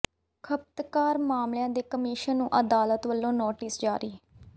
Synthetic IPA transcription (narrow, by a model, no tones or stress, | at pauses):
kʰəp̚t̪kaːɾmaːmljãːd̪eːkəmiːʃənːũːʔəd̪aːlət̪ʋəlːõːnoːʈɪːsd͡ʒaːɾiː